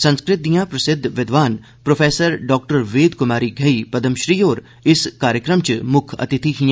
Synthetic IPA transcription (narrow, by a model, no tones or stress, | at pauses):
sɐ̃nskɾɪt̪̚d̪ijãːpɾɐsɪd̪ʱʋɪd̪ʋaːn | pɾoːpʰeːsəɾɖɔːk̚ʈəɾʋeːd̪kʊmaːɾiɡʱɐipɐd̪əmʃɾiːoːɾ | ɪskaːɾjəkɾəmt͡ʃmʊkʰɐ̰t̪ɪt̪ʰiɦiã